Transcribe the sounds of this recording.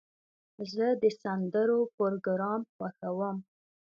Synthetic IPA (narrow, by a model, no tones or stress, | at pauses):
zəd̪əsand̪əɾopoɾoɡɾɑmxwaxawəm